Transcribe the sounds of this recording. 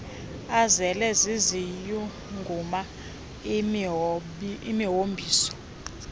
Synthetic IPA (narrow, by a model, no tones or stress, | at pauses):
azɛlɛziziju | ŋɡʱuma | imiɦombʱiːsɔ̥